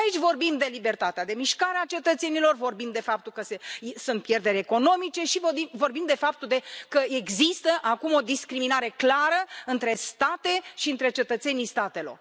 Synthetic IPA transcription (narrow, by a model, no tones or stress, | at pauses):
ait͡ʃʲvo̞rbimd̪e̞libe̞rt̪at̪ead̪e̞miʃkaɾeat͡ʃe̞t̪ət̪se̞nilo̞rvo̞rbimd̪e̞fap̚t̪ulkəsesunt̪̚pje̞rd̪e̞ɾʲeko̞no̞mit͡ʃe̞ʃivobimvo̞rbimd̪e̞fap̚t̪uld̪e̞kəeɡzist̪əʔakumo̞d̪iskɾiminaɾe̞klaɾəɨnt̪ɾe̞st̪at̪e̞ʃiɨnt̪ɾe̞t͡ʃe̞t̪ət̪se̞nijst̪at̪e̞lo̞̰r